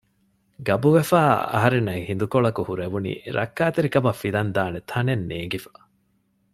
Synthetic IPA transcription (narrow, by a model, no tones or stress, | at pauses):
ɡɐbuʋefaːɐ̰ɦɐɾenːɐihind̪ukoɭɐkuhuɾeʋunḭːɾʔɐ̰kːaːt̪eɾikɐbɐfːilɐnd̪aːnet̪ʰɐnenːeːŋɡifɐ̥